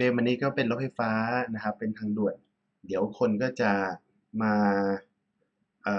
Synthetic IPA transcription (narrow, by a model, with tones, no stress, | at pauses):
eː˧mʔa˧nːiː˦˥kɔː˥˩pe˧nlo˦˥t̚fa˧˩jfaː˦˥na˦˥kʰa˦˥pːe˧nt̪ʰaː˧ŋdu˨˩ət̪̚ | di˩˦əwkʰo˧nkɔː˥˩t͡ɕa˨˩ | maː˧ | ʔəː˨˩